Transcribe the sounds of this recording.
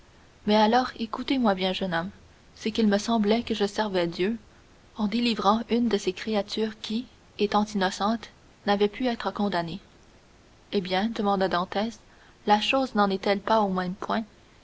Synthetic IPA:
mɛalɔːʁekut̪emwabjɛ̃ʒənɔm | səkilməsɑ̃blɛkəʒəsɛʁvɛd̪jø | ɑ̃d̪elivʁɑ̃ynd̪əsekχeat̪yːʁkʲʰi | et̪ɑ̃t̪inɔsɑ̃t̪ | navɛpʰyɛːt̪χəkɔ̃d̪ane | ebjɛ̃d̪əmɑ̃d̪ad̪ɑ̃t̪ɛːs | laʃoːznɑ̃nɛt̪ɛlpaomɛ̃mpwɛ̃

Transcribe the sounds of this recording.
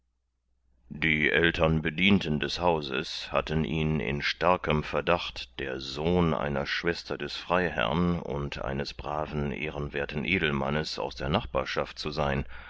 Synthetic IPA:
d̥iːʔɛltʰɐnbədiːntən̩dɛshaʊzə̰sha̰tənʔiːnɪ̰nʃtaɐkəmfɛɐdaχtd̥eːɐzoːnʔa̰ɪnɐʃv̥ɛstɐdɛsfʁ̥aɪɦɛ̰ɐnʊ̰ntʔa̰ɪnəsb̥ʁaːvn̩ʔḛːʁənveːɐtn̩ʔeːdl̩ma̰nəsa̰ʊsd̥eːɐnaχb̥aːɐʃaft̚t͡suzaɪn

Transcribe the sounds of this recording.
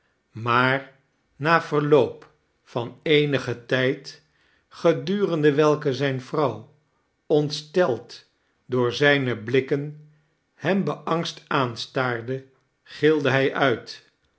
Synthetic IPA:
maːɹ | naːv̥əɹlowp | fɑnejnəχətɛjt | χədyːrəndəʋɛlˠkəzɛjnvrɑw | ɔntstɛlˠt | dʊːɹzɛjnəblɪkən | hɛmbəʔɑŋstaːnstaːɹdə | χɪlˠdəɦɛjʔœɥt

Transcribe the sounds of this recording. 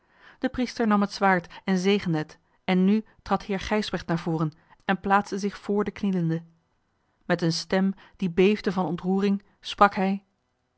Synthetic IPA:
d̥əpristəɹnɑmɦətsʋaːɹtɛnzejχəndəɦət | ɛnːytrɑthɪːɹχɛjzbɛχtnaːɹvʊːrən | ɛnplaːtsdəzɪχfʊːɹdəkniləndə | mɛtənstɛmd̥ibejvdəvɑnɔntruːrɪŋ | sprɑkɦɛj

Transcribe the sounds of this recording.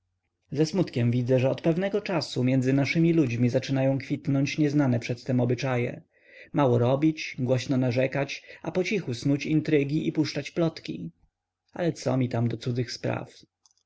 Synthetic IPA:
zɛsmut̪kʲɛmvʲid̪zɛʐɛɔt̪pɛvnɛɡɔt͡ʂasumʲjɛnd̪zɘnaʂɘmʲilud͡ʑmʲizat͡ʂɘnajɔ̃w̃kfʲit̪nɔɲt͡ɕɲɛznanɛpʂɛt̪ːɛmɔbɘt͡ʂajɛ̰ | mawɔɾɔbʲit͡ɕɡwɔɕnɔnaʐɛkat͡ɕapɔt͡ɕixusnut͡ɕint̪ɾɘɡʲiʔipuʂt͡ʂat͡ɕplɔt̪kʲḭ | a̰lɛt̪sɔ̰mʲit̪amd̪ɔt̪sud̪zɘxspɾa̰f

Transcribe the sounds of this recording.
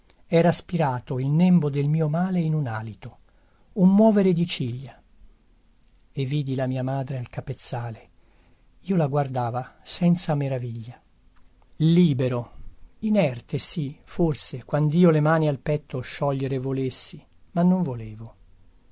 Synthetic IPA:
ɛːɾaspiɾaːt̪oilnɛmbod̪elmiːomaːleinunaːlit̪o | ummwɔːveɾed̪it͡ʃiʎːa | evːiːd̪ilamiːamaːd̪ɾealkapet̪sːaːle | iːolaɡward̪aːvasɛnt̪sameɾaviʎːa | liːbeɾoinɛrt̪esiforsekwand̪iːolemaːnialpɛt̪ːoʃːɔʎːeɾevolesːi | manːoɱvoleːvo

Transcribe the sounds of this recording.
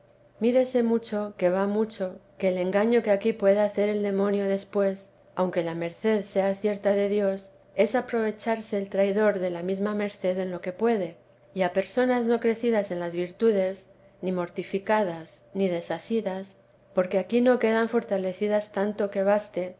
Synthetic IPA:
miɾe̞se̞mut͡ʃo̞ke̞β̞amut͡ʃo̞ke̞ːle̞ŋɡaɲo̞keakipwe̞ðeaθe̞ɾe̞ld̪e̞mõ̞njo̞ðe̞spwe̞s | awŋke̞lame̞ɾθe̞ðse̞aθje̞ɾt̪aðe̞ðjo̞s | e̞sapɾo̞β̞e̞t͡ʃaɾse̞ːlt̪ɾajðo̞ɾðe̞lamizmame̞ɾθe̞ðe̞nlo̞ke̞pwe̞ðe̞ | iape̞ɾso̞nazno̞kɾe̞θiðase̞nlazβiɾt̪uðe̞z | nimo̞ɾt̪ifikaðasnið̞e̞sasiðas | po̞ɾke̞akino̞ke̞ðaɱfo̞ɾt̪ale̞θiðast̪ant̪o̞ke̞β̞ast̪e̞

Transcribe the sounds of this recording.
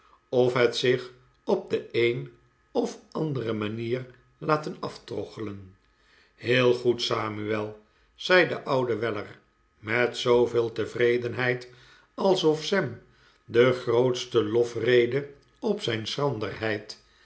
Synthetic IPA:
ɔfɦɛtsɪχ | ɔp̚dəejn | ɔfɑndərəmaniːr | laːtənɑftrɔ̰χələn | heːlˠχutsaːmyɛlˠ | z̥ɛjdəʔʌwdəʋɛlə̰r | mɛtsowvɪːlˠtəvrejdənɦɛjt | ɑlˠsɔfsɛm | dəχrowtstəlɔfrejdə | ɔpsɛjnsχɑndə̰rɦɛjt

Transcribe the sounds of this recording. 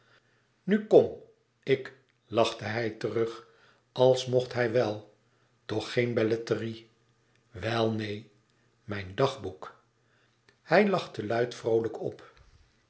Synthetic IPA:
nykɔm | ɪk | lɑχtəɦɛjtərɵχ | ʔɑlˠsmɔχtɦɛjʋɛlˠ | tɔχːejnbɛlɛtəri | ʋɛlˠnej | mɛjndɑχbuk | hɛjlɑχtəlœɥtfrowləkɔ̰p

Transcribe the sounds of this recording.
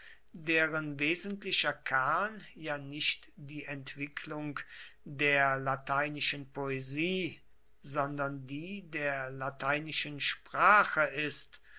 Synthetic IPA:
deːʁənveːzəntlɪʃɐkʰaɐnjaːnɪçtd̥iːʔɛntv̥ɪkʰlʊŋdeːɐlatʰaɪnɪʃənpoeziː | zɔndɐndiːdeːɐlatʰaɪnɪʃənʃpʁ̥aːχəʔɪst

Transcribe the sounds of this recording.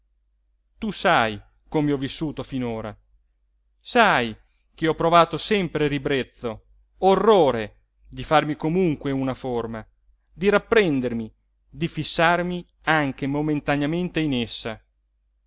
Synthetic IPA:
t̪usaj | komeɔvːisːuːt̪ofinoːɾa | saj | k̟eɔpːɾovaːt̪osɛmpɾeɾibɾet̪sːo | orːoːɾe | d̪ifarmikomuŋkweunaforma | d̪iɾapːɾɛnd̪ermi | d̪ifisːarmi | aŋk̟emoment̪anjament̪einesːa

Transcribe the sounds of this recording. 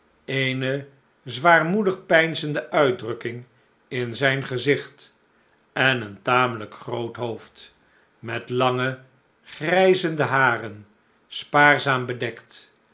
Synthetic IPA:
ejnə | zʋaːrmudəχpɛjnzəndəʔœɥd̚drɵkɪŋ | ɪnzɛjnχəzɪχt | ɛnəntaːmələkχrowtɦoft | mɛtlɑŋə | χrɛjzəndəɦaːrən | spaːɹzaːmbədɛkt

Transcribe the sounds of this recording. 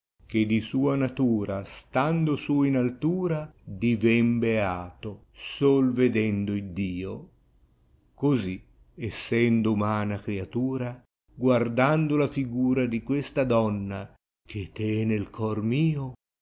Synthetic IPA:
k̟ed̪isuːanat̪uːɾast̪and̪osuinalt̪uːɾad̪ivɛmbeaːt̪o | solved̪ɛnd̪oid̪iːo | kozi | ɛsːɛnd̪oumaːnakɾeat̪uːɾa | ɡward̪and̪olafiɡuːɾad̪ikwest̪ad̪ɔnːa | k̟et̪ɛnelkʰɔrmiːo

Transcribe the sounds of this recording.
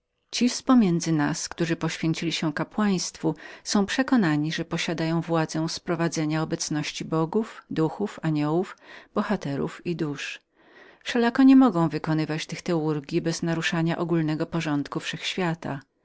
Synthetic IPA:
t͡ɕispɔmʲjɛnd̪zɘnaskt̪uʐɘpɔɕfʲjeɲt͡ɕilʲiɕɛkapwaj̃st̪fusɔ̃w̃pʂɛkɔnaɲiʐɛpɔɕad̪ajɔ̃w̃vwad̪zɛ̃w̃spɾɔvad̪zɛɲaɔbɛt̪snɔɕt͡ɕibɔɡufd̪uxufaɲɔwufb̥ɔxat̪ɛɾṵfid̪uʂ | fʂɛlakɔɲɛmɔɡɔ̃w̃vɘkɔnɘvat͡ɕt̪ɘxt̪ɛuɾɡʲjibɛznaɾuʂaɲaʔɔɡulnɛɡɔpɔʐɔnt̪kufʂɛxɕfʲjat̪a̰

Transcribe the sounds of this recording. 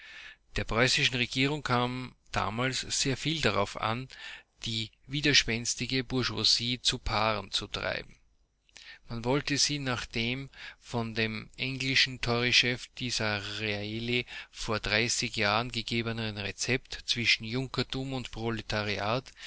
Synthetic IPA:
d̥eːɐpʁ̥ɔʏsɪʃn̩ʁeɡiːʁʊŋkʰaːmd̥a̰ːmaːlsz̥eːɐfiːldaʁa̰ʊfa̰nd̥iː | viːdɐʃpɛnstɪɡəbʊɐʒwaziːt͡supʰaːʁənt͡sutʁ̥a̰ɪbm̩ | manvɔltəz̥iːnaːχd̥eːmfɔndeːmʔɛŋɡlɪʃn̩tʰɔʁiʃɛfd̥iːzɐʁeaelifoːɐd̥ʁaɪsɪçjaːʁənɡəɡeːbənəʁənʁet͡sɛptt͡sv̥ɪʃn̩jʊŋkɐtʰumʊntpʁ̥ɔlɛtʰaʁiaːt

